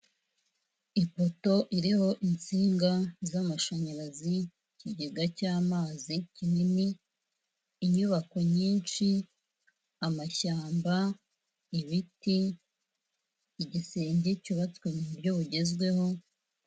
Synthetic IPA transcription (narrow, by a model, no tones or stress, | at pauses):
ipo̞to̞ʔiɾiho̞ʔint͡siːŋɡazamaʃaɲaɾazi | ciɟeɡacaːmaːzicinini | ɲuβako̞ɲiːnt͡ʃi | amaçaːmba | iβiti | iɟiseːɲɟe̞cuβat͡swemuubɟo̞βuɟe̞zɡwe̞ho̞